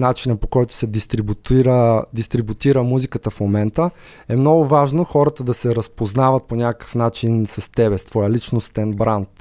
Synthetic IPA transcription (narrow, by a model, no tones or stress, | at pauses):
nat͡ʃinəpokɔjt̪ʊ̥sɛd̪ist̪ɾibut̪iɾəd̪ist̪ɾibut̪iɾəmuzikət̪əfmomɛnt̪ə | ɛmnɔɡʊvaʒnoxɔɾət̪əd̪ɐsɛɾəspoznavət̪̚ponʲakəkə̥fnat͡ʃinsɐst̪ɛbɛst̪vɔjəlit͡ʃnost̪ɛnbɾant̪